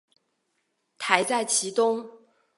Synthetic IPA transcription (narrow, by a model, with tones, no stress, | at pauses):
t̪ʰa˧˥ɪt͡sa˥˩ɪt͡ɕʰi˧˥t̪ʊ˥ŋ